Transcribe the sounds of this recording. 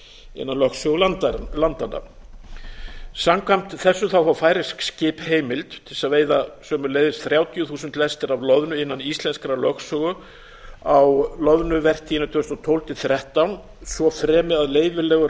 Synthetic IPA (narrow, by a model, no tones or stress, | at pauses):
ɪ̰nːanlœxksœɣʏalant̪anːa̰ | samkvam̥t̪θɛsːʏθawfawfaːjɾɪskscɪːpheːjmɪlt̪t̪ʰɪlsaðveːjðasœːmʏɾlejðɪst̪θɾjaːwt̪jʏθuːsʏnt̪lɛst̪ɪɾavlœðnʏɪnːanist̪lɛnskɾalœxksœɣʏ | awlɔðnʏvɛr̥t̪ʰiːɪnat̪ʰʏɾʏst̪ɔt̪ʰowlt̪ʰɪθɾɛht̪awn | svɔfɾɛːmɪaðleːjvɪlɛːɣʏɾ